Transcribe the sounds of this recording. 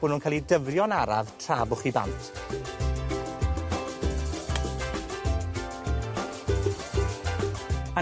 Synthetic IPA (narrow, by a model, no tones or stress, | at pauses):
ʊnhunkʰalˠidəvrjɔnaɾa̰vtʰr̥aːbʊχiba̰ntʰ | ə